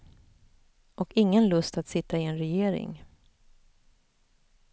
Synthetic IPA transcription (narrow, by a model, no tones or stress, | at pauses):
ʔɔkɪŋːənlɵst̪at̪sɪt̪ːaɪɛnɾɛjeːɾɪ̰ŋ